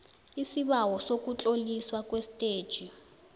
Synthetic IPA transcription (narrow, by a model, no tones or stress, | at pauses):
isiɓawɔsok̬ʼut͡ɬʼoliswakwestʼeːd̥ʒ̥ʱi